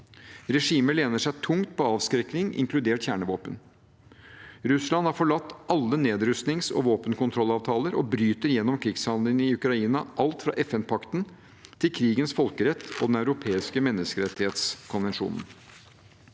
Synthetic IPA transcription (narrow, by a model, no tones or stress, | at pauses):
ɾɛʂiːməɭeːnəʂæɪt̪ʰʊŋt̪̚pʰɔɑːʋskɾɛknɪŋɪ̰ŋkʰlʉd̪eːʈçæːɳəʋoːpən | ɾʉslɑnhɑɾfɔɭɑt̪ːɑlːəneːd̪ɾʉst̪nɪŋsɔ̰ʋoːpənkʊnt̪ʰɾɔlːɑːʋt̪ʰɑːləɾɔbɾyːt̪əɾjɛnːɔmkʰɾɪɡshɑnd̪ləŋɪʉkɾɑiːnɑʔɑlt̪fɾɑ̰ʔɛfɛnpʰɑkt̪n̩ | t̪ʰɪlkʰɾiːɡənsfɔlkəɾɛt̪ʰːɔd̪ɛnæʉɾʊpʰeːɪskəmɛnːəskəɾɛt̪ːɪheːt̪skʰʊnʋɛnʂṵːnn̩